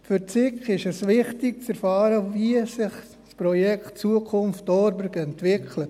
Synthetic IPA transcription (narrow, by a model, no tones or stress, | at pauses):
fʏɾt͡sɪkχɪʃɛsʋɪχtɪk̚t͡sɛɾfɑːɾəviəsɪχ | spɾɔjɛktt͡suəkʰʊnftɔɾbəɾɡɛntʋɪkʰlə